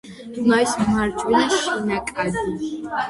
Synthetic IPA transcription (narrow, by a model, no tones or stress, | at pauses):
majsmmaɾt͡ʃʼwiniʃinakʼad̪i